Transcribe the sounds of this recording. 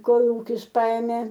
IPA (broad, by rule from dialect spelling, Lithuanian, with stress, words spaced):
ˈkoːlˠuːkʲɪs ˈpɐɛmʲeː